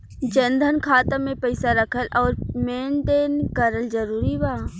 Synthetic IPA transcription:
d͡ʒə̃nd̪ʱənkʰaːt̪ãmẽpəɪsaɾəkʰəlʔɔːɾmeːnɖ̪eːnkəɾəld͡ʒəɾuːɾibaː

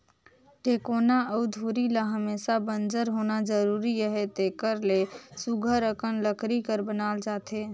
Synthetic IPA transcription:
ʈekoːnaəʊd̪ʱuɾilaɦəmeːsabənd͡ʒəɾɦonad͡ʒəɾuɾiəɦet̪ekəɾlesuɡʱəɾəkʰənləkʰɾikəɾbənaːld͡ʒaːt̪e

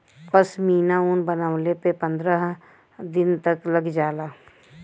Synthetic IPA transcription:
pəsmiːnaunbənəʋlepepə̃nd̪ɾəɦ | d̪ɪnt̪əkləɡd͡ʒaːlaː

